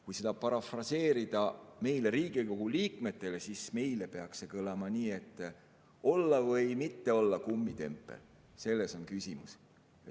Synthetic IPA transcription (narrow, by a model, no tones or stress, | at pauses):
kujse̞d̪ɑpɑɾɑfrɑse̞ːɾid̪̥ɑme̞jle̞ɾiːɡ̥iko̞ɡ̥uliːkme̞t̪ːˑe̞le̞sisme̞jle̞pe̞ɑkse̞kɤlɑmɑniːe̞t̪ːˑ | o̞lːɑvɤjmit̪ːe̞o̞lːɑkumːit̪e̞̰mpːˑḛl | se̞lːe̞so̞nkysʲimus